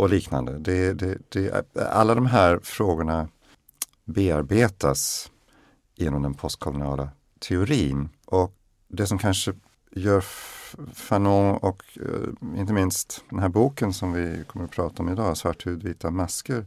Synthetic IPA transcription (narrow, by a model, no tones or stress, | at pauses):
ɔliːkna̰nd̪əd̪ɛd̪ɛd̪̥ɛ̰a̰lːad̪ɔmɦæːɾfɾoːɡʊɳa | beːaɾbeːt̪as | jeːnɔmd̪ɛnpʰɔst̪̚kʰɔlʊnɑːla | t̪ʰɛʊɾiːnʔɔk | d̪ɛsɔmkʰanʂə | jœːɾ | fanɔŋɔk | ɪ̰nt̪̬əmɪnst̪d̪ɛnɦæːɾbuːkənsɔmvɪkʰɔmːəɾɔpʰɾɑːt̪aɔmɪd̪ɑːasvaʈʰːhʉːd̪viːt̪amaskəɾ